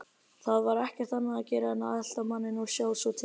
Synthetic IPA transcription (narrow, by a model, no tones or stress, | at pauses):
θaðvaɾɛhcɛɾ̥t̪θanːaaðcɛːɾaɛnːaðɛl̥t̪amanːɪnɔɣsjaːwsvɔt̪ʰɪ